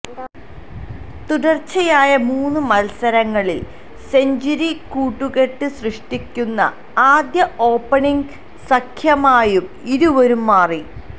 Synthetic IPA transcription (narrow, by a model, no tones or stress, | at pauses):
t̪uɽɐrt͡ɕːɐjaːjɐmuːnːɨmɐlsɐɾɐŋːɐɭil | se̞ɲd͡ʑiɾikuːʈːuɣe̞ʈːɨsrɨʂʈikʲːunːɐ̰ | aːd̪jɐʔo̞ːpːɐɳiŋɡ | sɐkʰjɐmaːjum | iɾuo̞ɾumːaːri